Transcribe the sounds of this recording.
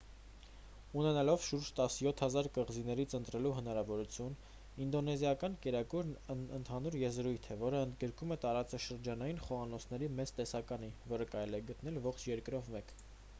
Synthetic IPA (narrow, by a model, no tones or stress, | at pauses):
unɛnɑlɔvʃuɾd͡ʒt̪ɑsjɔt̪ʰhɑzɑɾkəʁzinɛɾit͡sʰənt̪ɾɛluɦən̪ɑɾɑvɔɾut͡sʰjun | ind̪ɔnɛzjɑkɑnkɛɾɑkuɾnənt̪ʰɑnuɾjɛzɾujt̪ʰɛvɔɾəənd̪ɡəɾkumɛt̪ɑɾɑt͡sɑʃəɾd͡ʒɑnɑjinχɔɑnɔt͡sʰnɛɾimɛt͡st̪ɛsɑkɑnivɔɾəkɑɾɛlɛɡət̪nɛlvɔχt͡ʃʰjɛɾkɾɔvmɛk